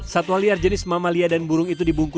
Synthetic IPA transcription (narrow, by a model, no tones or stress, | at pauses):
sat̪uwaliard͡ʒənɪsmamaliadanbuɾʊŋit̪̬udibuŋku